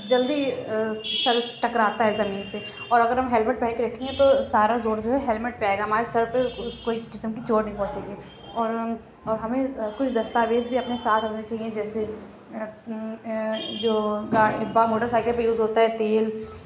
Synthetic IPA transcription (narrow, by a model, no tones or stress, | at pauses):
d͡ʒɐld̪i | ʃɐlsʈɐkɾaːt̪aɦɛzɐmiːnse | ɔːɾɐɡəɾɦɐmɦɛːlmɪʈ̚pɛːkeɾɐkʰẽːŋɡet̪osaːɾazoːɾd͡ʒoːɦɛɦɛːlmɪʈ̚peaːeːɡaɦɐmaːɾesɐɾpeʊkoːikɪsəmkit͡ʃoːɾnɐɦĩpɐ̃ːt͡ʃẽːŋɡi | ɔːɾ | ɔːɾɦɐmẽkʊt͡ʃʰd̪ɐst̪aːʋeːzbʱiɐpnesaːt̪ʰɾonet͡ʃaːɦiẽd͡ʒɛːse | d͡ʒoːɡabamoːʈəɾsaːɪklpejuːzɦoːt̪aɦɛt̪eːl